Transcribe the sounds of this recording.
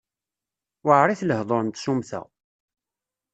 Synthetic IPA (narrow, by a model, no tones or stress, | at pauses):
wəʕɾˤiθləhðˤoɾənt̪sumθæ̰